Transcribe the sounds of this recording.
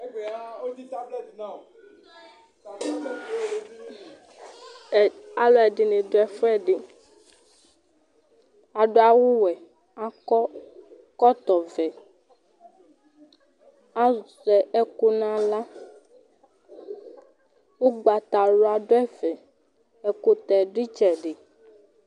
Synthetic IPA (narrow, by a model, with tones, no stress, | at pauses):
a˨lɔ˦ɛ˨ɖɪ˨nẽ˨do˨ɛ˨fɔ˦ɛ˦˨ɖɪ˨ | a˨ɖo˦a˨wu˦wɛ˨ | a˨kɔ˦ | kɔ˦t̪ɔ˨vɛ˨ | a˦˨sɛ˨ɛ˦ko˦nã˦la˦ | wo˦ɡ͡ba˨t̪a˨lo˨a˨ɖo˦ɛ˦vɛ˨ | ɛ˨ko˦t̪ɛ˨ɖi˦t͡ʃɛ˨ɖe˨